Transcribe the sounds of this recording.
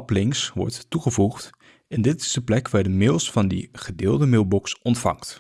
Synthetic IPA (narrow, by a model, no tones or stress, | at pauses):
plɪŋsʋɔ̰ɹtːuχəvuχt | ɪndɪtɪ̥zdəplɛkʋaːɹdəmɪlˠsfɑndḭχədɪːlˠdəmɪlˠbɔksɔntfɑ̰ŋkt